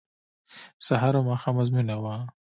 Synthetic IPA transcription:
saɦaɾomaxamazmunawa

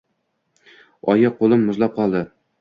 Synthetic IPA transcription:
ɒjɑqolˠɪmːʊzlˠɑp̚qʰɒlˠd̪ɪ

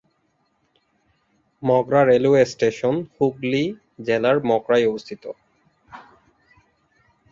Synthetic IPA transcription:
mɔkɾaɾeluesʈeʃonhukli | d͡ʑɛlaɾmɔkɾajobost̪ʰit̪o

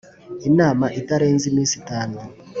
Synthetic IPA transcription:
inamaʔitaɾenzimisitaːno

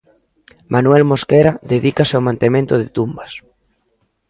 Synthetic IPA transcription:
mʔanwɛlmoskeɾaðeðikaseomãnt̪emẽnt̪oðet̪umbas

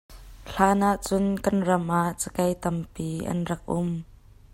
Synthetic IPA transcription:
ɬaːnaʔt͡sʊnkɐnrɐmʔaʔt͡sə̥kɐjt̪ɐmpiːʔɐ̰nrɐk̚ʔʊm

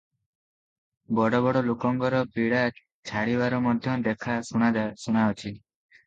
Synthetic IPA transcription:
bɔɽɔbɔɽɔlukɔŋɡɔɾɔpiɽa | t͡ʃʰaɽibaɾɔmɔd̪ʱjɔd̪ekʰasuɽ̃ad̪asuɽ̃aɔt͡ʃʰi

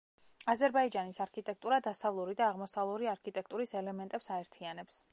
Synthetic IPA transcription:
azɛɾbaid͡ʒanisaɾkʰit̪ʼɛk̚ʰt̪ʼuɾad̪asavlˠuɾid̪aːʁmɔsavlˠuɾiaɾkʰit̪ʼɛk̚ʰt̪ʼuɾisɛlɛmɛnt̪ʼɛpsaɛɾt̪ʰianɛps

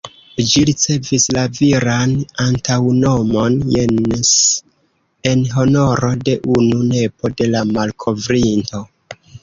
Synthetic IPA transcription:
d͡ʒiɾit͡se̞vislaviɾanantawno̞mo̞nen | enɦo̞no̞ɾo̞de̞ʔunune̞po̞de̞lamalkʰo̞vɾinto̞

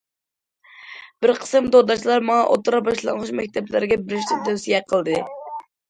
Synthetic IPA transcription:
b̥ɪɾqʰə̥sɨmd̪od̪ɑt͡ʃlˠɑɾmɑŋɑʔo̰t̪ɾɑbɑʃlˠɑ̰ŋʁʊt͡ʃmɛk̚ʲt̪ʰɛplɪɾɡʲɛbɪɾɪʃt̪ɪt̪ʰɛwsijɛqʰəlˠd̪ɨ

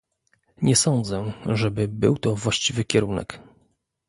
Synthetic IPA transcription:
ɲɛsɔnd̪zɛʐɛbɘbɘ̰wt̪ɔvwaɕt͡ɕivɘkʲɛɾunɛ̰k

